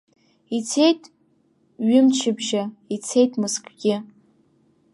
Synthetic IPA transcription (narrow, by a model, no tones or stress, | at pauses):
it͡sʰe̞jtʼ | ɥɪmt͡ʃʰɪbʒait͡sʰe̞jtʼmɨskʷʰʼɡ̥ʲɪ